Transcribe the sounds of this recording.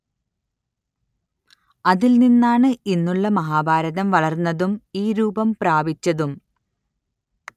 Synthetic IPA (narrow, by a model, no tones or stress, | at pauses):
ɐðilninːaːɳɨinːuɭːɐmɐɦaːbʱaːɾɐðɐmʋɐɭɐrnːɐðumiːɾuːbɐmpraːbit͡ɕːɐðum